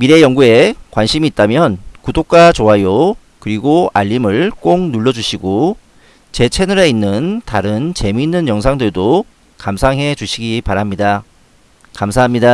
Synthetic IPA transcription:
miɾe̞jʌŋɡue̞kwanɕʰimiːt̚t͈amjʌnkudok̚k͈at͡ɕoɦajo | kɯɾiɡoa̰ʎːimɯɭk͈oŋnuɭːʌd͡ʑuɕʰiɡo | t͡ɕe̞t͡ɕʰenɯɾeinːɯntaɾɯnt͡ɕe̞minːɯnjʌŋs̬ʰaŋdɯɭdo | kamsʰaŋɦe̞d͡ʑuɕʰiɡipaɾamɲida | kamsʰaɦamɲida

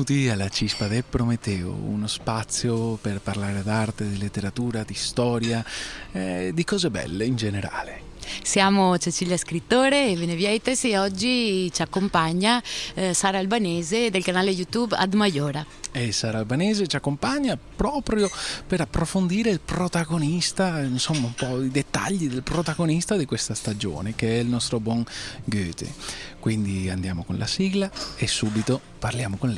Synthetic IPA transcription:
uːt̪ialːat͡ʃispad̪epɾomet̪ːɛːo̰ṵnospat̪sːjoperparlaːɾed̪art̪ed̪ilet̪ːeɾat̪uːɾad̪ist̪ɔːɾjaɛd̪ikɔːzebɛ̰lːeind͡ʒeneɾa̰ːle | sjaːmot͡ʃet͡ʃiʎjaskɾit̪ːoːɾeːvenevjɛjt̪esieɔd͡ʒːit͡ʃakːompaɲːasaːɾaːlbaneːzed̪elkanaːlejut̪uba̰d̪majoːɾa | esaːɾalbanɛːzet͡ʃakːompaɲːapɾɔːpɾjopeɾapːɾofond̪iːɾeilpɾot̪aɡonist̪ainsomːaumpɔd̪id̪et̪ːa̰ʎːid̪elpɾot̪aɡonist̪ad̪ikwest̪ast̪ad͡ʒo̰ːnek̟eɛilnɔst̪ɾobwɔŋɡøːt̪ḛkwind̪ia̰nd̪jaːmokonlʔa̰siɡlaesːuːbit̪o | parljaːmokon

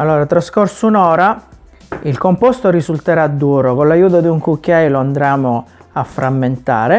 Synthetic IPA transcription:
alːoːɾat̪ɾaskorsunɔːɾa | ilkompost̪oɾizult̪eɾad̪ːuːɾokonlajuːt̪̬od̪iuŋkukːjajloand̪ɾaːmoafːɾamːent̪a̰ːɾe

